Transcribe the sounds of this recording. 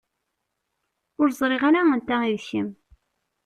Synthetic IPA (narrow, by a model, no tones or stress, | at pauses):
ʊɾzˤɾˤeʁaɾaənt̪æiðçəm